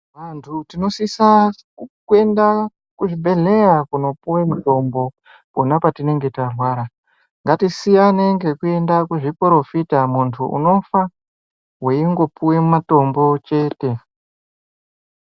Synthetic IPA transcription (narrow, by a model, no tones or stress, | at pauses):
ʋantʰutino̞sisa | kue̞nda | kuʐibʱe̞ɮe̞jakuno̞puwemuto̞mbo̞ | ponapatine̞ŋɡe̞tarwaːɾa | ŋɡatisijaneŋɡe̞kue̞ndakuʐipɾo̞fitamuntʰuṵno̞fa | weiŋɡo̞puwe̞mumato̞mbo̞t͡ʃe̞ːte̞